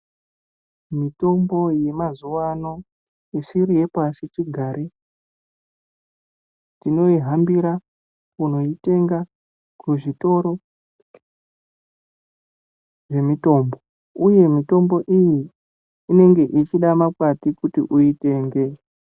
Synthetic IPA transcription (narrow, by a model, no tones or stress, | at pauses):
mito̞mbo̞je̞mazuwano̞ | isiɾije̞pasit͡ʃiɡʱaɾe | tino̞iɦambiɾa | kuno̞ite̞ŋɡa | kuʐito̞ɾo̞ | ʐe̞mito̞ːmbo̞ | uje̞mito̞mbo̞ʔijiː | ne̞ŋɡe̞ʔit͡ʃiɗamakwatikutḭʔuite̞ːŋɡe̞